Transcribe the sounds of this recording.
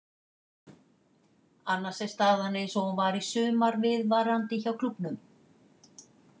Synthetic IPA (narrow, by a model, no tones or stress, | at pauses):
anːḁsɛst̪aːðanejnsɔhunvaɾisʏːmaɾvɪðvaɾant̪ɪçawkʰlʏpnʏm